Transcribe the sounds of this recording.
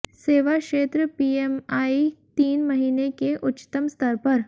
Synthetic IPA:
seːʋakʃeːt̪ɾəpiemaːit̪iːnmɐɦiːnekeʔʊtːt͡ʃt̪əmst̪ʰɐɾpɐɾ

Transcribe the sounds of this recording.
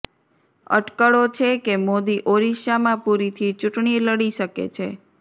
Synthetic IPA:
ə̰ʈkəɭot͡ʃʰekemod̪iʔoɾiʃamãpuɾit̪ʰit͡ʃuʈɳieləɽiʃəkḛt͡ʃʰe

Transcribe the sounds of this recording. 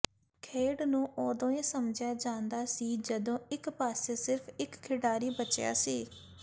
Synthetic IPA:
kʰeːɖnũːʔɔːd̪õːiːsəmd͡ʒjaːd͡ʒãːnd̪aːsiːd͡ʒəd̪õːɪkpaːseːsɪɾpʰɪkkʰːɪɖaːɾiːbət͡ʃja̰ːsiː

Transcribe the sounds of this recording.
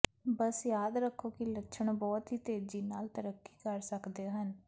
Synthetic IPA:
bəsjaːd̪ɾəkʰːoːkiləʃʰəɳbɔːt̪ɦiːt̪eːd͡ʒiːnaːlt̪əɾəkːi̥ːkəɾsəkd̪eːɦən

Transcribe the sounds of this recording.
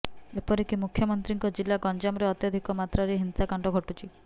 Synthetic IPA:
epɔɾikimukʰjɔmɔnt̪ɾiŋkɔd͡ʒilːaɡɔnd͡ʒamɔɾeɔt̪jɔd̪ʱikɔmat̪ɾaɾeɦinsakaɳɖɔɡʱɔʈut͡ʃʰi

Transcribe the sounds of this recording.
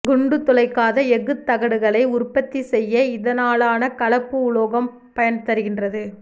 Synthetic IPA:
ɡʊɳɖɯt̪ːɔlɐɪkːaːðɐɛɣɯt̪ːɐɣɐɽɯɣɐɭɐɪʊrpːɐt̪ːisɛjːɐɪðɐnaːlaːnɐkɐɭɐpːɯʊɭoːɣɐm | pɐjɐnt̪ɐɾɯɣɪndrɐðɯ

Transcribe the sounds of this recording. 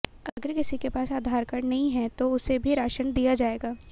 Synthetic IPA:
ɐɡəɾkɪsikepaːsaːd̪ʱaːɾkɐɾnɐɦĩɦɛt̪oʊsebʱiɾaːʃənd̪ijad͡ʒaːeːɡaː

